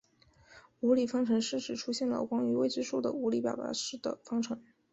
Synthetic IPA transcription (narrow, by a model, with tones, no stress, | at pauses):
u˧˥li˨˩fɑ˥ŋʈ͡ʂʰɤ˧˥ŋʂɻ̩˥˩ʈ͡ʂɻ̩˨˩ʈ͡ʂʰu˥ɕjɛ˥˩nlə̰˩kwa˥ŋy˧˥we˥ɪʈ͡ʂɻ̩˥ʂu˥˩d̪ə̰˩u˧˥li˧˥pjɑ˨˩pa̰˧˥ʂɻ̩˥˩d̪ə̰˩fɑ˥ŋʈ͡ʂʰɤ˧˥ŋ